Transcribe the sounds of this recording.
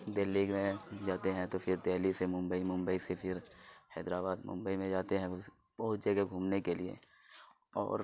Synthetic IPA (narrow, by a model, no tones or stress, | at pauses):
d̪eːlːiːɡmẽd͡ʒaːt̪eɦɛ̃t̪opʰɪɾd̪eːlisemʊ̃mbəimʊ̃mbəisepʰɪɾhɛ̰ːd̪ɾaːbaːd̪mʊ̰̃mbəimẽd͡ʒaːt̪eɦɛ̃ʊ | bɐɦʊt̪̚d͡ʒəɡeɡʱuːmnekeliḛ | ɔ̰ːɾ